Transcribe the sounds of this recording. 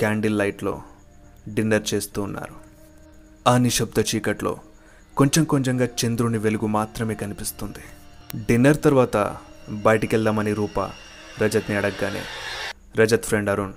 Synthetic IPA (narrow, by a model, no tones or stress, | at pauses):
kaːɳɖilːɐjʈlo̞̰ː | ɖinːɐɾt͡ʃe̞ːst̪uːnːa̰ːɾu | ɐniʃɐb̚d̪ɐt͡ʃiːkɐʈlo̞̰ː | ko̞ɲt͡ʃemko̞ɲt͡ʃɐŋɡaːt͡ʃend̪ɾuniʋe̞luɡumaːt̪ɾɐme̞ːkɐnipist̪und̪iɖinːɐɾt̪ɐɾʋaːt̪ɐ̰ | bɐjʈikɛɭd̪amɐniɾuːpɐ̰ | ɾɐd͡ʒɐt̪niɐɽɐɡːaːnḛː | ɾɐd͡ʒɐt̪fʰɾeɳɖɐɾun